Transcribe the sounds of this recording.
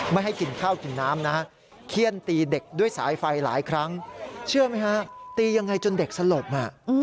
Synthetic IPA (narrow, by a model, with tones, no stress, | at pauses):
ma˥˩jɦa˥˩jki˨˧nkʰaː˥˩wki˨nːaː˦˥mna˦˥ | kʰi˥˩ənt̪iː˧de˨˩k̚du˥˩əjsaː˩˦jfa˧jla̰ː˩˦jkʰɾa˦˥ŋt͡ɕʰɯ˥˩əma˦˥jkʰa˦˥t̪iː˧ja˧ŋːa˧jt͡ɕo˧nde˨˩k̚sa˧lo˨˩p̚ha˧˩˧